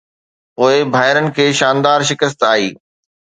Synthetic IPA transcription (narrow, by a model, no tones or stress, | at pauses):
poːɪbʱaːɦɪɾənɪ̆kʰeːʃaːnd̪aːɾʃɪkəs̬t̪aːɦiː